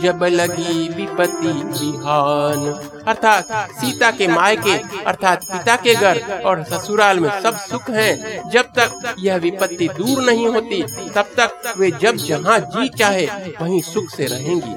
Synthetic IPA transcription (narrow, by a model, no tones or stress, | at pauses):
d͡ʒɐbləɡiʋɪpət̪ːibɪɦaːn | ɐɾt̪ʰaːt̪siːt̪akemaːjkeɐ̰ɾt̪ʰaːt̪̚pɪt̪akeɡʱəɾɔːɾsɐsuɾaːlmẽsɐbsʊkʰɦɛ̃d͡ʒɐb̚t̪ɐk̚jɐɦʋɪpət̪ːid̪uːɾnɐɦĩɦoːt̪it̪ɐb̚t̪əkʋed͡ʒɐbd͡ʒɐɦãd͡ʒiːt̪̚t͡ʃaːɦeʋɐɦĩsʊkʰseɾɐɦẽːŋɡḭː